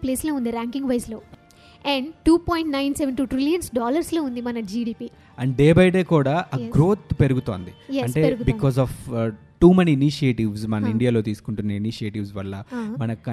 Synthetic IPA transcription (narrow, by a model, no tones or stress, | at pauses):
pleːsloːund̪iɾaːŋkĩŋɡʋɐjsloː | ɛɳɖʈuːpoːjiɳʈnɐjnseʋenʈuːʈɾilijɐnsɖaːlɐɾsloːund̪imɐnɐd͡ʒiːɖiːpiː | ɐɳɖɖeːbɐjɖe̞ːkuːɽaːʔɐɡɾoːt̪pe̞ɾuɡut̪o̰ːnd̪ijɐɳʈeeɾɡubikɔːzɔːf | ʈuːmeniːniʃieːʈiʋsmɐnɐiɳɖijaːlo̞ːt̪̬iːsu̥kuɳʈunːɐiniʃieːʈiʋsʋɐlːɐmɐnɐkɐ